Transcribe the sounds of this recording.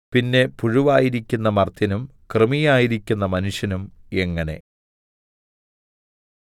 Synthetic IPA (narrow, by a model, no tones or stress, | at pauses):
pinːe̞puɻuʋaːjiɾikʲːunːɐmɐrt̪ʰjɐnum | krɨmijaːjiɾikʲːunːɐmɐnuʂjɐnume̞ŋːɐne̞̰